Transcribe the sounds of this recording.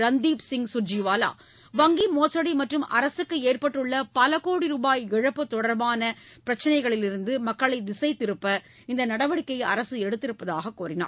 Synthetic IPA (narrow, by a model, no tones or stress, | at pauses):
ɾɐnd̪iːpsɪŋɡsʊd͡ʒiʋaːla̰ː | ʋɐŋɡimoːsɐɽimɐʈrɯmʔɐ̰ɾɐsɯkːɯeːrpɐʈːɯɭːɐpɐlɐkoːɽiɾuːbaːjɪɻɐpːɯt̪ɔɽɐɾbaːnɐ | pɪɾɐt͡ʃːɐnɐɪɣɐɭɪlɪɾɯnd̪ɯmɐkːɐɭɐɪd̪ɪsɐɪt̪ːɪɾɯpːɐ | ɪnd̪ɐnɐɽɐʋɐɽɪkːɐɪɐ̰ɾɐsɯɛɽɯt̪ːɪɾɯpːɐðaːɣɐkːuːɾɪna̰ː